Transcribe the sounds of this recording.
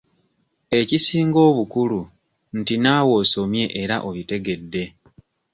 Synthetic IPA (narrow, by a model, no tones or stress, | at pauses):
e̞cisiːŋɡo̞ːβukulu | n̩tinaːwo̞ːso̞mje̞ʔeɾaʔo̞βite̞ɡe̞dːe̞